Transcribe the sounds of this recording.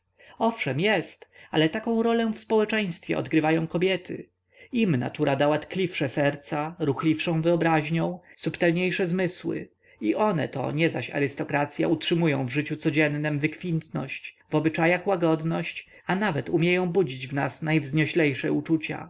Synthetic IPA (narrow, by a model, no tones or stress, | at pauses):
ɔfʂɛmjɛst̪alɛt̪akɔ̃w̃ɾɔlɛfspɔwɛt͡ʂɛj̃st̪fʲjɛ̰ɔ̰d̪ɡɾɘvajɔ̃w̃kɔbʲjɛt̪ʰɘ̰ | imna̰t̪uɾʔad̪awat̪klʲifʂɛsɛɾt̪saɾuxlʲifʂɔ̃w̃vɘɔbɾaʑɲɔ̃w̃supt̪ɛlɲejʂɛzmɘswɘ̰ | iʔɔnɛ̰t̪ɔ̰ɲɛzaɕa̰ɾɘst̪ɔkɾat̪sʲja̰utʂɘmujɔ̃w̃vʐɘt͡ɕut̪sɔd͡ʑɛnːɘmvɘkfʲint̪nɔ̰ɕt͡ɕ | vɔbɘt͡ʂajaxwaɡɔd̪nɔɕt͡ɕ | anavɛt̪umʲjejɔ̃w̃bud͡ʑid͡ʑvnasnajvzɲɔɕlɛjʂɛ̰ut͡ʂut͡ɕa̰